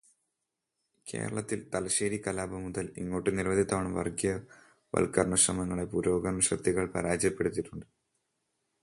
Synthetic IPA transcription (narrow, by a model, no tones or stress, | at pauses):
ke̞̰ːɾɐ̰ɭɐt̪ːilt̪ɐlɐɕeːɾikɐlaːbɐmuðɐliŋːo̞ːʈːɨniɾʋɐd̪ʱit̪ːaːɳɨʋɐ̰rɡijɐ | ʋɐ̰lkɐrnɐɕrɐmɐŋːɐɭepuɾo̞ːɡɐnɐɕɐt̪ːiɣɐɭpɐɾaːd͡ʑjɐpːe̞ɽut̪ːiʈːuɳɖɨ